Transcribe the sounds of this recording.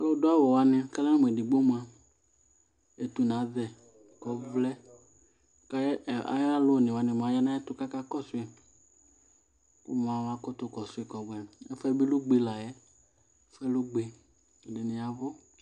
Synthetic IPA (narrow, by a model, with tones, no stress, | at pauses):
a˦lo˦dʊ˦a˦wɔ˨wa˧nɪ̃˧ka˦la˦na˦mũ˨ɛ˨dɪ˨ɡ͡bo˦mu˨a˨ | e˨t̪u˨nã˨˦ðɛ˨ | kɔ˨˦vlɛ˦ | ka˦˨a̰˦jlo˦˨nɪ˨wa˨˧nɪ̃˧m˨a˨˦ja˦nã˦jɛ˦tʊ˦ka˦ka˦kɔ˦sʊ˨˦e˨ | kʊ̰˦m˨a˨wa˧kɔ˦t̪ʊ˧kɔ˨sʊ˦ɪ˨kɔ˨ɡ͡bɛ˨ɛ˦fɛ˦bi˦lʊ˦ɡ͡be˧la˨jɛ˦ | fɛ˦lʊ˦ɡ͡be˧˨ | dɪ˨nɪ̃˨ja˨vʊ˦